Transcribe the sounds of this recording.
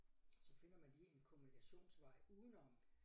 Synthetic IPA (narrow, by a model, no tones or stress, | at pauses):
sɒ̽fe̝n̰ɐmænliːenkʰo̝munikʰæɕo̝̰ːnsʋɑ̈ɪ̰uːðˠn̩ɒm